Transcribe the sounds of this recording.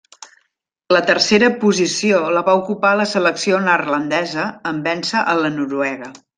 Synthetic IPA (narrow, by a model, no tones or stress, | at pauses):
lət̪ərseɾəpuzisioləβaukupaləsələksionərlənd̪ɛzəːmbɛnsəʔələnuɾuɛɣə